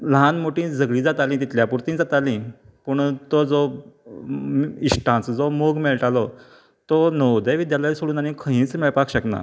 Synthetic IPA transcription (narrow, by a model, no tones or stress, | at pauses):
lɦãnmoʈĩd͡zəɡɭĩːd͡zat̪alĩt̪it̪ljapuɾt̪ĩːd͡zat̪alĩ | pəɳt̪od͡zo | isʈʰãt͡sd͡zomoɡmeɭʈalɔ | t̪onəwd̪eʋid̪jalaisoɽuːnañikʰə̃ɦĩːt͡smɛɭpakɕəkna̰